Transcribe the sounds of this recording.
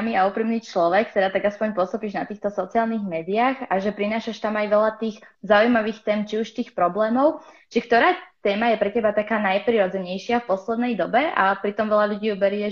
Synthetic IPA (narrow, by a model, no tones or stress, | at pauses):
amiːaupɾiːmniːt͡ʃlɔʋɛkt̪ɛd̪aːt̪aɡaspɔɲpɔst̪ɔpiːʒnat̪iːxt̪ɔsɔt͡siaːlniːɣmɛːd̪iaxaʒɛpɾinaːʃaʃt̪amajʋɛʎat̪iːɣzaujmaʋiːxt̪ɛːmt͡ʃiuʃt̪iːxpɾɔblɛːmɔʊt͡ʃikt̪ɔɾaːt̪ɛːmajɛpɾɛcɛbat̪akaːnajpɾiɾɔd͡zɛɲɛjʃɪafpɔslɛd̪nɛjd̪ɔbɛʔa̰pɾit̪ɔmʋɛʎaʎuɟiːjubɛɾɪɛ